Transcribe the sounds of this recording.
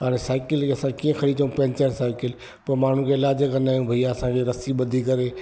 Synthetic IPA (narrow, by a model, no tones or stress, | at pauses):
aɾesaːɪkɪlkeɐsãkiːə̃xʰɐɽit͡ʃʰəũpɛ̃ːɲt͡ɕəɾsaːɪkɪl | pɐɾmaːɳ̤ũkʰeɪlaːd͡ʒəkɐ̃naːjũbʱɐijaɐsãkʰeɾɐsiɓɐd̪ʱikɐɾe